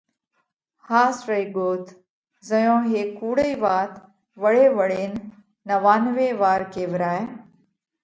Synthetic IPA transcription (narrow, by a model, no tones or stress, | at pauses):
haːsɾəiɡoːt̪ | zəjõːɦeːkuːɽəiːʋaːt̪ | ʋəɽeːʋəɽeːnː | əʋaːnʋeːʋaːɾkeːʋɾaːe